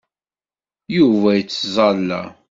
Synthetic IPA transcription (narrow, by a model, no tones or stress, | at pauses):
juvæjət͡sːzˤɑlːæ̰